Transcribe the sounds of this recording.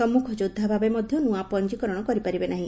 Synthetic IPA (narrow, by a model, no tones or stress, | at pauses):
ɔmːukʰɔd͡ʒud̪ʱːabʱabemɔd̪ʱjɔnũapɔnd͡ʒikɔɾɔɽ̃ɔkɔɾipaɾibenaɦĩ